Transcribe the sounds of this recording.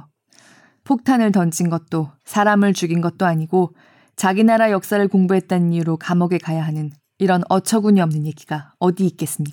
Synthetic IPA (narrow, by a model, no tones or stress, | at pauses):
pʰok̚tʰanɯɭtʌnd͡ʑinɡʌt̚t͈osʰaɾamɯɭt͡ɕuɡinɡʌt̚t͈oaɲiɡo | t͡ɕaɡinaɾajʌk̚s͈aɾɯɭkoŋbuɦe̞t̚t͈anɲiuɾokamʌɡe̞kajaɦanɯn | iɾʌnʌt͡ɕʰʌɡuɲiʌmnɯnje̞ɡiɡ̥aʌdiːk̚k͈e̞s͈ɯmɲida